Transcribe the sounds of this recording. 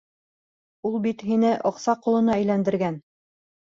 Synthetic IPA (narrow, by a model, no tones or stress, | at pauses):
ulˠbit̪ɦinɘʔoqsɑqulˠɤ̆nɑæjlænd̪ɘ̆ɾɡæn